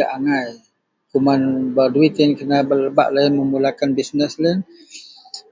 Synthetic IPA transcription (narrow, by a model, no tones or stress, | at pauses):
aʔaŋaj | kumanbaduit̪ənkənabələba̰ʔlainməmulakanbisnəslən